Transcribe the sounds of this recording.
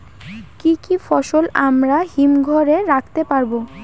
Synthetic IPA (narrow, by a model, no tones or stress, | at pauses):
kikifɔʃolamɾaɦimɡʱɔɾeɾakʰt̪epaɾbo